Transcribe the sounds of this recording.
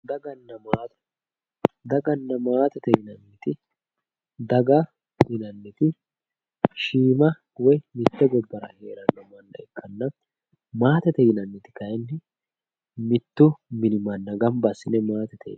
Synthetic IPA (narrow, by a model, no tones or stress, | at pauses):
d̪ɐɡɐnːɐmaːt̪ | d̪ɐɡɐnːɐmaːt̪ɛt̪ɛjɪnɐnːɪt̪ɪ | d̪ɐɡɐ | hɪnɐnːɪt̪ɪ | ʃiːmɐ | wɔjmɪt̪ːɛɡɔbːɐɾɐ̰heːɾɐnːɔmɐnːɐ̰ɛkʰːɐnːɐ | maːt̪ɛt̪ɛjɪnɐnːɪt̪ɪ̥kɐjɛnːɪ | mɪt̪ːʊmɪnɪmɐnːɐɡɐmbɐsɪnɛmaːt̪ɛt̪ʰɛ̰